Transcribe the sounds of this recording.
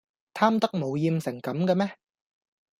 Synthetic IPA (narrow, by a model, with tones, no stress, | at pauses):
t̪ʰaː˥mt̪ɐ˥k̚mo˨˧wjiː˧msɪ˨˩ŋkɐ˨˥mka˧mɛː˦˥